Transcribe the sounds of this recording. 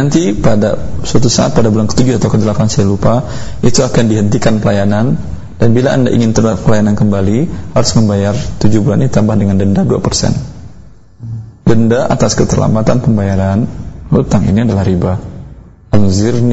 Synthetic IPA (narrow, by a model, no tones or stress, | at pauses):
ant̪ipadasuat̪usaʔat̪̚padabulankə̥t̪ud͡ʒʊhat̪awkədəlakansajalupa | it̪uakandiɦənt̪ikanpəlajanan | d̥anbilaʔandaʔḭŋɪnt̪əapəlajanankəmbalihaɾʊsməmbajart̪ud͡ʒubulannit̪ambahdəŋandəndadua̰pərsɛ̰n | dəndaʔa̰t̪askət̪ərla̰mbat̪anpəmbajaɾanut̪aŋḭniadalahɾiba | aŋzɪrn